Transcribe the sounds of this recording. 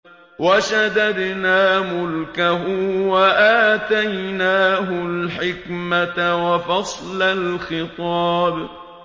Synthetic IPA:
waʃad̪ad̪naːmʊlkaɦʊwaʔaːt̪ajnaːɦʊlħɪkmat̪awafɑsˤlalxɪt̪ˤɑːb

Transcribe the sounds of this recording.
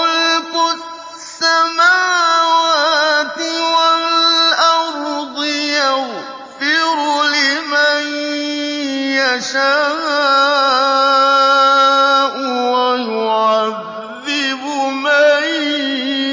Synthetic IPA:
ʊlkʊ | samaːwaːt̪ɪwalʔɑɾˤd̪ɪjaɣ | fɪɾʊlɪman | jaʃaː | ʔʊwajʊʕaðː | ɪbʊmaj

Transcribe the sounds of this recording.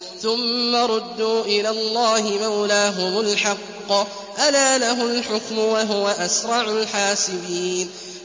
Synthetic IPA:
θʊmːaɾˤʊd̪ːuːʔɪlaːlˤːɑːhɪmawlaːɦʊmʊlħɑqː | ʔalaːlaɦʊlħʊkmʊwaɦʊwaʔasɾˤɑʕʊlħaːsɪbiːn

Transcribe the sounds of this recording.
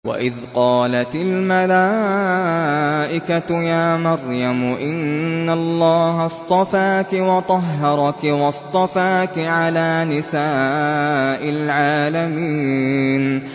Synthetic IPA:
wa̰ʔɪðqɑːlat̪ɪlmalaː | ʔɪkat̪ʊjaːmɑɾˤjamʊʔɪnːalˤːɑːɦɑst̪ˤɑfaːkɪwɑt̪ˤɑɦːɑɾˤɑkɪwɑst̪ˤɑfaːkɪʕalaːnɪsaː | ʔɪlʕaːlamiːn

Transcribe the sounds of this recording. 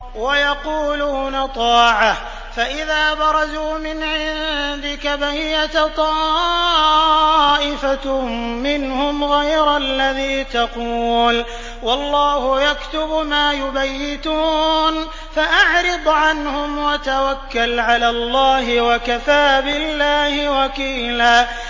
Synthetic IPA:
wajɑquːlʊhnat̪ˤɑːʕah | faʔɪðaːbɑɾˤɑzuːmɪnʕɪnd̪ɪkabahɪjat̪t̪ˤɑ | ʔɪfamɪnhʊmɣajɾalːaðiːt̪ɑquːl | wɑlˤːɑːhʊjakt̪ʊbmaːjʊbajːɪt̪uːn | faʔaʕɾɪb̪ʕanhʊmwat̪awakːalʕalaːlˤːɑːɦɪwakaθaːbɪlːaːhɪwɑkiːlaː

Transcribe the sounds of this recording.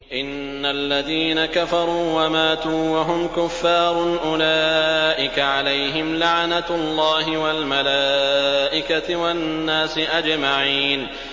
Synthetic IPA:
ʔɪnːalːaðiːnakafɑɾˤuːwamaːt̪uːwaɦʊmkʊfːɑːɾˤʔʊlaːʔɪkaʕalajɦɪmlaʕnalˤːɑːɦɪwalmalaːʔɪkat̪ɪwanːaːsɪʔad͡ʒmaʕiːn

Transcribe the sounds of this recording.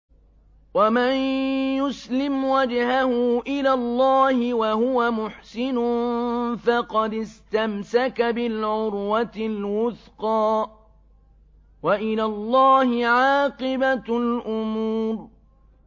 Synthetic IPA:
wamanjʊslɪmwad͡ʒhahʊʔɪlaːlˤːɑːhɪwahʊwamʊħsɪnʊnfɑqɑd̪ɪst̪amsakabɪlʕʊɾwat̪ɪlwʊθqɑː | waʔɪlaːlˤːɑːhɪʕɑːqɨbalʔʊmuːɾ

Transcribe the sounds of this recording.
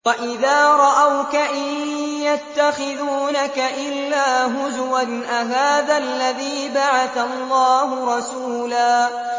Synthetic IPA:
waʔɪðaːɾˤɑʔawkaʔɪjat̪ːaxɪðuːnakaʔɪlːaːɦʊzwanʔaɦaːðalːaðiːbaʕaθalːɑːhʊɾˤɑsuːlaː

